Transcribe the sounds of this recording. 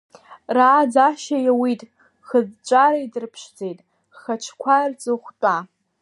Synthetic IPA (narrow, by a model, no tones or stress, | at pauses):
raːd͡zaʃajawitʼ | χəzt͡ʃʷʼaɾaidɨrpʰʂd͡zejtʼ | χat͡ʃʷʰkʷʰart͡sʼɨχʷt͡pʼa